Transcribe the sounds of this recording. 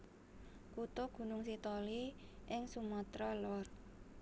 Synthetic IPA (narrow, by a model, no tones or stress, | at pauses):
kut̪oɡ̥ṳnʊŋsit̪ɔliʔɪŋsumɔt̪ɾɔlɔr